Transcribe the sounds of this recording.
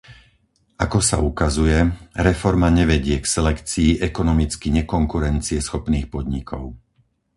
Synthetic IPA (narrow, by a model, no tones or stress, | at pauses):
ʔakɔsa̰ukazujɛɾɛfɔɾmaɲɛʋɛɟɪɛksɛlɛkt͡siːʔɛkɔnɔmit͡skiɲɛkɔŋkuɾɛnt͡siɛsxɔpniːxpɔd̪ɲikʰɔʊ